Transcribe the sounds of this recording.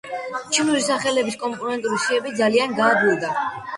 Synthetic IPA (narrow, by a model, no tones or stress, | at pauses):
t͡ʃʰimuɾisaχɛlɛbiskʼɔmpʼɔnɛnt̪ʼuɾisiɛbid̪zalianɡaːbluɾd̪a